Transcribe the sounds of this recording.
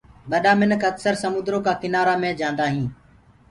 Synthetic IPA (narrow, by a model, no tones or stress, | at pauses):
ɓəɗãːmɪnəkəksəɾsəmʊ̃ːd̪ɾoːkaːkɪnaːɾaːmẽːd͡ʒãːnd̪aːɦĩː